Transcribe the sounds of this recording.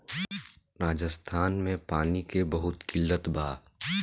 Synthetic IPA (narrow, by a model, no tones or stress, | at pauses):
ɾaːd͡ʒəst̪ʰaːnmẽpaːnikebɐɦʊt̪kɪlːət̪bʱaː